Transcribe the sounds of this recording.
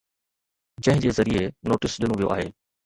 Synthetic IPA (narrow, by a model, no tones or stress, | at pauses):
d͡ʑɐ̃ɦɪ̃d͡ʑeːzɐɾienoːʈɪsɗɪnũʋijo̰ʔaːɦeː